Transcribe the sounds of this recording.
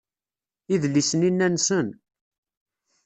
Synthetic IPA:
iðlːisəninːænsən

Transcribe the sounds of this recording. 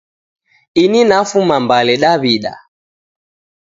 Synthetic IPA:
ininafumambalɛɗaβiɗa̰

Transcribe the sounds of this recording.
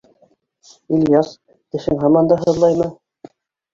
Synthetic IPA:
ilʲjɑs | k̪ɘ̆ʃɘŋɦɑmɑnd̪ɑɦɤ̆ðlˠɑjmɤ

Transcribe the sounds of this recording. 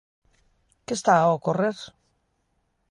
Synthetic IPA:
kest̪aokorer

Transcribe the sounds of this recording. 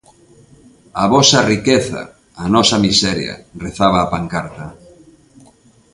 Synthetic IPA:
ɐβɔsɐrikeθɐ̰ː | nɔsɐmisɛɾjɐ̰reθaβaːpaŋkaɾt̪ɐ

